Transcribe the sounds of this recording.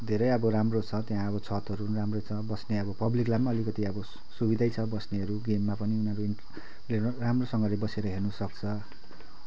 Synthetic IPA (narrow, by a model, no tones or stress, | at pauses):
d̪ʱeɾʌjʌbʌɾamrot͡sʰʌt̪jãʌbʌt͡sʰʌt̪ʌɾuramrʌt͡sʰʌbʌsneʌbʌpʌbliklabmaʌlikʌt̪iʌbʌ | subid̪ʱajt͡sʰʌbʌsneʌɾuɡemːapʌniunʌɾui | leramrosʌŋɡʌlebʌseɾʌɦernusʌkt͡sʰʌ